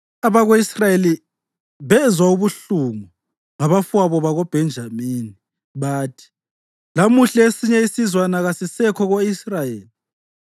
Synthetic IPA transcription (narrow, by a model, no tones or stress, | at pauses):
aβaɣoisrajeli | βɛzwauβuɬuŋu | ŋaβafwaβɔβaɣob̥ʱɛnd͡ʒʱamiːni | βaːtʰi̥ | lamuɬaesiɲɛisizwanaɣasisɛkʰɔɣoisrajeːli